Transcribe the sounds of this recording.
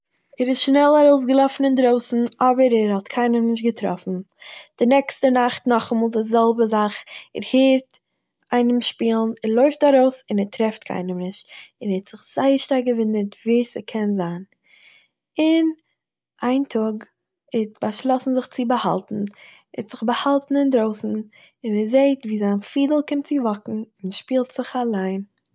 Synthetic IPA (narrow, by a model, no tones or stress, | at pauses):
ɛɾɪsʃnɛlˠaɾoʊs̬ɡəlˠɔfn̩ɪndɾoʊsn̩ɔbəɾɛɾhɔtkʰaɪnəmnɪʃ̬tɡətɾɔ̰fn̩d̥ɪnɛkstənaχtnɔχmɔːlˠdɪzɛlˠbəzaχɛɾheːɾt | aɪnəmʃpiːlˠn̩ɛɾlˠɔʏftaɾoʊsɪnɛɾtɾɛftkʰa̰ɪnəmnɪʃtɪnhɛtz̥ɪχz̥aɪəɾʃtaɾɡəvɪnəɾtviːsɪ̰kʰɛnzaːn | ɪn | ʔaɪntʰʊɡ | ɪtb̥aʃlˠɔsn̩zɪχt͡sɪbəha̰lˠtn̩ | ɛtz̥ɪχbəhalˠtn̩ɪndɾoʊsn̩ | ɪnɛzeɪtviːzaɪnfiːdl̩ˠkɪmtt͡sɪvɔkŋ̩ɪnʃpiːlˠtz̥ɪχalˠaɪn